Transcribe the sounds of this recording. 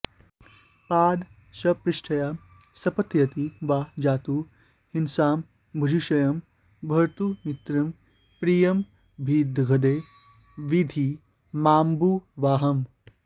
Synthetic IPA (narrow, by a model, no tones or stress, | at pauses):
paːd̪ | sɐpɾɪʂʈʰɐjaː | sɐpɐt̪jɐt̪iʋaːd͡ʒaːt̪uː | hinsaːm | bʱud͡ʒiʃɐjɐm | bʱɐɾt̪umit̪ɾim | pɾijɐm | bʱiːd̪ʱɡʱɐd̪eː | ʋid̪ʱi | maːmbuʋaːɦɐm